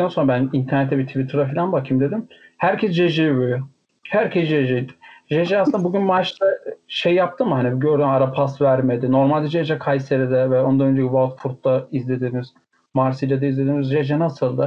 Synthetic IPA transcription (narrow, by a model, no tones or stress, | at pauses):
ænso̞nɾabænint̪ʰæɾnet̪ʰːɛbit̪ʰivit̪ʰɾd̪afilʲˠanbakʰimd̪e̞d̪imhæɾcʰɛsd͡ʒeʒibuj | hæɾcʰɛsd͡ʒeʒejd̪ɪ̥ʒeʒɛasɯnabuɟynmaɾt͡ʃt̪aʃejjap̚t̪ʰɯmɯhaniɟø̞ɾd̪ymaɾapʰast̪væɾmed̪ɪno̞ɾmalʲd̪ɛd͡ʒeʒɛkʰajseɾɛd̪ɛvɛo̞nd̪anønd͡ʒɛcivalt̪fuɾt̪ːaizlʲe̞d̪iːniz̥ | maɾsilʲad̪aizlʲe̞d̪inizʒed͡ʒɛnasɯlˠd̪a